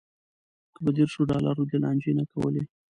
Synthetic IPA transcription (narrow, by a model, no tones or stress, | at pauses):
kəbəd̪eɾʃoɖɑlaɾod̪elɑnd͡ʒenakawə̰le